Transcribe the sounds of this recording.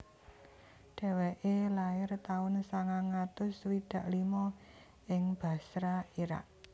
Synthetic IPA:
ɖ̥ɛ̤weʔelaɪrt̪aʊnsaŋaŋat̪ʊswid̪̥ä̤ʔlimɔ | ɪŋb̥ä̤sɾaiɾa̰ʔ̚

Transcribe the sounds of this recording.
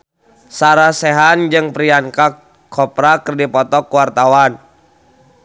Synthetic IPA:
saɾasɛɦand͡ʒɨŋpɾiankakʰː | ɔpɾakərdipɔt̪ɔkːuwart̪awan

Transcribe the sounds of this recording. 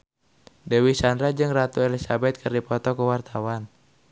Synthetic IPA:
dɛwisandɾad͡ʒɨŋrat̪uelisabɛt̪̚kʰərdipɔt̪ɔkəwart̪awan

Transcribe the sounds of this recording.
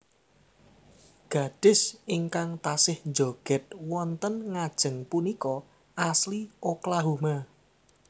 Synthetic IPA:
ɡ̥a̤d̥ɪ̤sɪŋkaŋt̪asɪhnd͡ʒoɡ̥ɛ̤t̪̚wɔnt̪ənŋad̥ʒ̥ə̤ŋpunikɔ | ʔaslioklaɦuma

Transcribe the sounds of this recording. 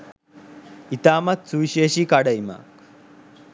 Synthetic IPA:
it̪aːmɐt̪suʋiʃeːʃikaɽɐjma̰k

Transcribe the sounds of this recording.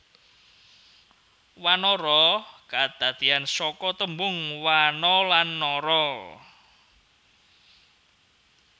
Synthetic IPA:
wanɔɾɔkad̪̥ä̤d̪̥iansɔkɔt̪əmbʊŋwanɔlanːɔɾɔ

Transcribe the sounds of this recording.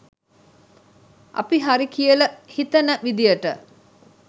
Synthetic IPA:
a̰piɦaɾikijələhit̪ənəʋid̪ijəʈə̰

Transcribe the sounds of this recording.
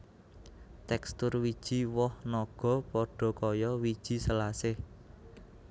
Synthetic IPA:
t̪ɛkst̪ʊrwid̥ʒ̥i̤wɔhnɔɡ̥ɔ̤pɔɖ̥ɔ̤kɔjɔwid̥ʒ̥i̤səlasɪh

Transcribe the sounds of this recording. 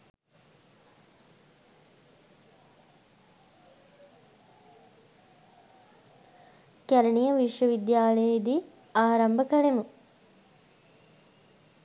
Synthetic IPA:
kæɾɐɳijəʋiʂʋəʋid̪jaːləjəid̪i | aːɾɐmbəkɐlemu

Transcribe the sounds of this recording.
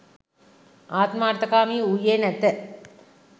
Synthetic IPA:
aːt̪maːɾt̪ɐkaːmiːujeːnɐt̪ːə

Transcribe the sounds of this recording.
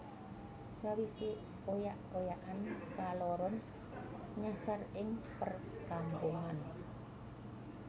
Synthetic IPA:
sawisi | ojaʔojaʔankalɔɾɔn | ɲasarɪŋpər | kampuŋan

